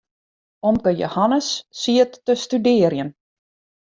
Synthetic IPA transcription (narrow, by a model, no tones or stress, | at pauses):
omkəjo̰hanəsːiətːəstydɪərjən